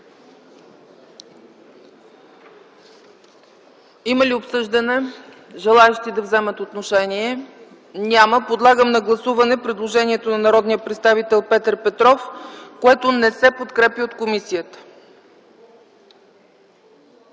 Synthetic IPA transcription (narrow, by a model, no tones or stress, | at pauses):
iməliopsɤʒd̪ənɛ | ʒɛlˠaɛʃt̪id̪ɐvzɛmət̪ot̪noʃɛniɛ | nʲaməpod̪lˠaɡəmnɐɡlˠɐsuvɐnɛpɾɛd̪lˠoʒɛniɛt̪onɐnɐɾɔd̪nijəpɾɛt̪st̪avit̪ɛlˠpɛt̪əɾpɛt̪ɾɔfkoɛt̪onɛsɛpot̪kɾɛpjəot̪komisijət̪ə̥